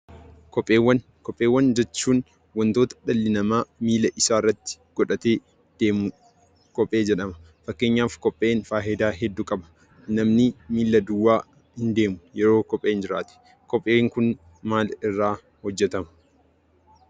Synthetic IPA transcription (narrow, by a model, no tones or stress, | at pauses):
kɔpʼːeːwːɐn | kɔpʼːe̞ːwːɐnd͡ʒɛt͡ʃːuːn | wɐnt̪oːt̪ɐ̥ᶑɐlːɪnɐmaːmiːlɐʔɪsaːrːɐt̪ːɪ̥ɡ̥ɔᶑɐt̪eː | d̪̥eːmʊ | kʼɔpʼːe̞ːd͡ʒɛᶑɐmɐ̥ | fɐkːeːɲːaːfkɔpʼːe̞ːnfaːɦɛd̪aːɦɛd̪ːʊkʼɐbɐ̥ | nɐmnɪmiːlːɐd̪ʊwːaː | hɪnd̪e̞ːmʊjɛɾo̞ːkɔpʼːeːnd͡ʒɪɾa̰ːt̪ɛ̥ | kɔpʼːe̞ːŋkʊn | maːlɪrːaː | hɔd͡ʒːɛt̪ɐmɐ̥